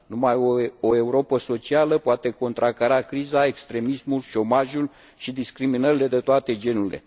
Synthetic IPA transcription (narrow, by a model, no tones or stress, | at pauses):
numajooe̞uɾo̞pəso̞t͡ʃialəpoat̪e̞ko̞nt̪ɾakaɾakɾizae̞kst̪ɾe̞mismulʃo̞maʒul | ʃid̪iskɾiminəɾile̞d̪e̞t̪oat̪e̞d͡ʒe̞nuɾile̞̰